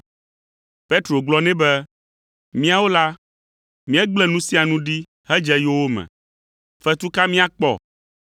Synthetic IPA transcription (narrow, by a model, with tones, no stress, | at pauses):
pe˦t̪ɾo˨ɡ͡blɔ˦nɛ̃˦bɛ˦ | mĩ˦a˨wo˦la˦ | mĩ˦ɛ˦ɡ͡blɛ˦nũ˦si˦a˨nũ˦ɖi˦ | ɦɛ˦d͡ʒɛ˦jo˦wo˦mɛ̰̃˨ | fɛ˦t̪u˦ka˦mĩ˦a˨k͡pɔ̰˦˨